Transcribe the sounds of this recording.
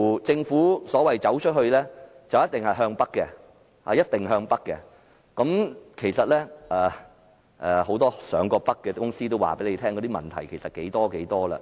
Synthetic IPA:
t͡sɪ˧ŋfuː˨˥sɔː˨˥wɐ˨jt͡sɐ˨˥wt͡ʃʰɵ˥t̚hɵ˧ɥlɛ˥ | t͡sɐ˨wjɐ˥t̪̚ɪ˨ŋhɐ˨jɦœː˧ŋpɐ˥kːɛ˧ | ha̰ː˨jɐ˥t̚t̪ɪ˨˩ŋɦœː˧ŋpɐ˥kːɛ˧ | kɐ˨˧˥mkʰe˨˩jsɐ˨t̚lɛː˥ɛː˨ | ʔɛ˨ho˨˥wt̪ɔː˥sœː˨˧ŋkɔː˧pɐ˥k̚ːɛ˧kʊ˥ŋsiː˥t̪o˥wa̰ː˨˩pe˨˥jle˨˧jt̪ʰɛː˥ŋkɔː˨˧˥i˥mɐ̰˨˩nt̪ʰɐ˨˩jkʰe˨˩sɐ˨t̚ke˨˥jt̪ɔː˥ke˨˥jt̪ɔː˥lɐ̰˧˨

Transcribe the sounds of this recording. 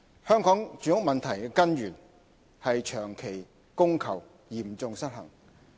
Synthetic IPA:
hœː˥ŋkɔː˨˥ŋt͡ʃyː˨˥ŋʊ˥k̚mɐ˨nt̪ʰɐ˨˩jkɛ˧kɐ˥nɥyː˨˩n | hɐ˨jt͡ʃʰœː˨˩ŋkʰe˨˩j | kʊ˥ŋkʰɐ˨˩w | jiː˨˩m˨t͡sʊ˧ŋsɐ˥t̚hɐ̰˨˩ŋ

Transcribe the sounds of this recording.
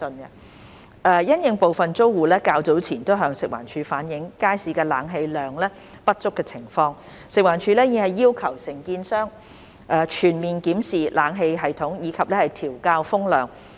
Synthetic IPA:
nɐ˧ | ʔɛ˧jɐ˥njɪ˨˧ŋpo˨wfɐ˨nt͡so˥wːuː˨lɛː˥kaː˧wt͡so˨˥wt͡sʰiː˨˩nt̪o˥wɦœː˨˧ŋsɪ˨k̚wa̰ː˨˩nt͡ʃʰyː˨˧faː˨˥njɪ˨˧˥ŋkaː˥jsiː˨˧kɛː˧laː˨˥ŋɦe˧jlœː˨˩ŋlɛː˥ | pɐ˥t̚t͡sʊ˥kːɛː˧t͡sʰɪ˨˩ŋfɔː˧ŋ | sɪ˨k̚waː˨˩nt͡ʃʰyː˧lɛː˥jiː˨˧hɐ˨jːiː˥wkʰɐ˨˩wsɪ˨˩ŋkiː˧nsœː˥ŋ | ʔɛː˧t͡ʃʰyː˨˩nmiː˨nkiː˨˥msiː˨lʔaː˨˥ŋɦe˧jɦɐ˨jt̪ʰʊ˨˥ŋjiː˨˧kʰɐ˨p̚lɛː˥hɐ˨jt̪ʰiː˨˩wkaː˧wfʊ˥ŋlœː˨ŋ

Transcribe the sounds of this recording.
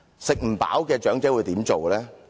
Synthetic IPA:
sɪ˨k̚m̩˨˩pa̰ː˨˥wkɛː˧t͡ʃœː˨˥ŋt͡sɛː˨˥wuː˨˧jt̪iː˨˥mt͡so˨wlɛː˦˥

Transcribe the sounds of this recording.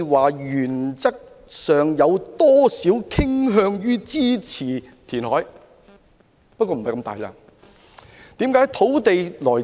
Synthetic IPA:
waː˨jyː˨˩nt͡sɐ˥k̚ | sœː˨ŋjɐ˨˧wt̪ɔː˥siː˨˥wkʰɪ˥ŋɦœː˧ŋjyː˥t͡siː˥t͡sʰiː˨˩ | t̪ʰiː˨˩nhɔː˨˥j | pɐ˥t̚kʷːɔː˧m̩˨˩ɐ˨jkɐ˧mt̪a̰ː˨˩jla̰ː˧ | t̪iː˨˥mkaː˨˥jt̪ʰo˨˥wt̪e˨jlɔː˨˩j

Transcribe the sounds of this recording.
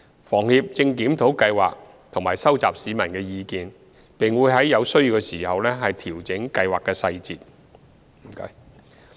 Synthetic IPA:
fɔː˨˩ŋhiː˨˧p̚t͡sɪ˧ŋkiː˨˥mt̪ʰo˨˥wkɐ˧jwa̰ː˨k̚ | t̪ʰʊ˨˩ŋmaː˨˩jsɐ˥wt͡saː˨p̚siː˨˧mɐ˨˩nkɛː˧jiː˨˧kiː˨n | pɪ˨ŋwuː˨˧jɦɐ˨˥jːɐ˨˧wsɵ˥ɥji˨˧wkɛ˧siː˨˩hɐ˨wlɛː˥ɦɐ˨jt̪ʰiː˨˩wt͡sɪ˨˥ŋkɐ˧jwaː˨kːɛː˧sɐ˧jt͡siː˨t̚ | m̩˨˩kɐ̰˧

